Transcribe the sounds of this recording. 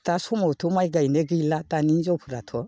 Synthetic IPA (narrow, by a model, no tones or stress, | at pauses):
tasumowt̪ʰomajɡajneɡijlat̪anind͡ʒopʰuɾat̪ʰɔ